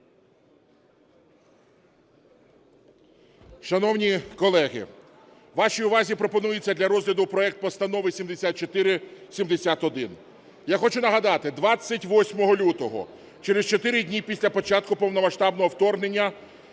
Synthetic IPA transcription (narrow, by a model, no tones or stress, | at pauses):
ʃɐnɔwnʲikɔlˠɛɦɪ̰ | ʋɑʃijʊʋɑzʲipɾɔpɔnujet͡sʲːɐd̪lʲɐɾɔzʲɦlʲɐd̪ʊpɾɔɛk̚t̪̚pɔst̪ɐn̪ɔʋɪsʲimd̪esʲat̪̚t͡ʃɔt̪ɪɾɪsʲimd̪esʲat̪ɔd̪ɪn | jaxɔt͡ʃʊnɐɦɐd̪ɑt̪ɪd̪ʋɑt͡sʲːɐtʲʋɔsʲmɔɦɔlʲut̪ɔɦɔ̰ | t͡ʃeɾest͡ʃɔt̪ɪɾɪdʲnʲipʲisʲlʲɐpɔt͡ʃɑt̪̚kʊpɔwnɔmɐʃt̪ɑbnɔɦɔwt̪ɔrnenʲːɐ